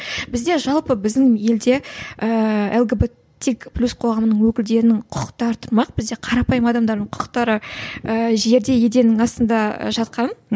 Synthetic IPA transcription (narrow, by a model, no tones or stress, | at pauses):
bɪzd̪e̞ʒɑlˠpəbɪzd̪ɪŋje̞ld̪e̞əelˠɡebe | t̪ʲːekplʲusqʰo̞ʁɑmənəɴwɵkʲɪld̪e̞ɾɪnɪŋqʰʊqə̥q̚t̪ɑɾət̪ʰʊɾmɑq̚b̥ɪzd̪e̞qʰɑɾɑpɑjəmɑd̪ɑmd̪ɑɾd̪əɴqʰʊ̥qə̥qt̪ɑɾəəʒe̞ɾd̪e̞je̞d̪e̞nɪŋɑst̪ənd̪ɑ̰ʒɑt̪̚qɑn